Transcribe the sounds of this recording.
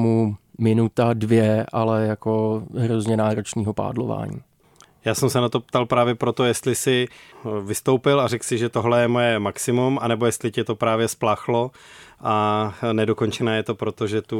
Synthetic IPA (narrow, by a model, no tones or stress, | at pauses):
mumɪnut̪advjɛʔalɛjako̞ɦɾozɲɛnaːɾo̞t͡ʃɲiːɦo̞pa̰ːdlo̞̰va̰ːɲḭː | jaːsɛmsɛnat̪o̞pt̪alpɾaːvjɛpɾo̞t̪ojɛst̪lɪsɪvɪst̪owpɪlaɾɛksɪʒɛt̪oɦlɛjɛmojɛmaksɪmumanɛbo̞jɛst̪lɪcɛt̪o̞pɾaːvjɛsplaːxlo̞ | ʔanɛdo̞ko̞nt͡ʃɛnaːjɛt̪o̞pɾo̞t̪oʒɛt̪u